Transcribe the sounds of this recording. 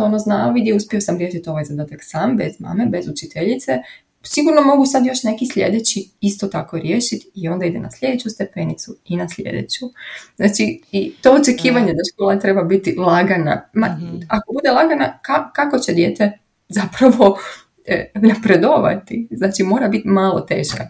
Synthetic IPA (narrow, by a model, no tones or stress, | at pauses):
onoznaoʋid̪jeuspʲjio̞samɾje̞ʃit̪io̞ʋajzad̪aːt̪aksaːmbe̞zma̰ːme̞be̞zut͡ʃit̪eʎit̪se | siɡuɾno̞mo̞ɡusad̪jo̞ʃne̞kisʎʲe̞̰d̪et͡ɕiist̪ot̪ako̞ɾjeːʃit̪io̞nd̪aid̪e̞̰na̰slʎʲe̞d̪e̞t͡ɕust̪e̞pe̞nit̪suinasʎʲḛd̪ḛt͡ɕuznaːt͡ʃiit̪o̞ot͡ʃe̞kiːʋaɲed̪aʃkolˠat̪ɾe̞babit̪ilˠaɡana̰maakobud̪elˠaɡanakakako̞t͡ɕe̞d̪je̞ːt̪e̞ | zapɾaʋo̞ | napɾed̪o̞ʋa̰t̪iznaːt͡ʃimo̞ːɾabit̪imaːlˠo̞̰t̪e̞̰ːʃka